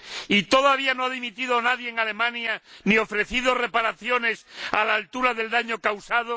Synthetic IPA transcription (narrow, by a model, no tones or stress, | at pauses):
it̪o̞ðaβ̞ianoaðimit̪iðonaðjeːŋale̞mãnjanio̞fɾe̞θiðo̞re̞paɾaθjo̞ne̞salaːlt̪uɾaðe̞ld̪aɲo̞kawsað̞o